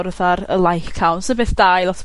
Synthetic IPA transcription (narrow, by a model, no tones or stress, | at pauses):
ɾəðaɾə̰lˠajkkʰawnsəbeːθd̥ajlˠɔtʰ